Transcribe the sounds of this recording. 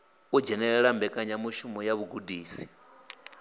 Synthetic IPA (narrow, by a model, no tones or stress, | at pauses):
ud͡ʒɛnɛɺɛɺambɛkʼaɲamuʃumɔjaβuɡudiːsi̥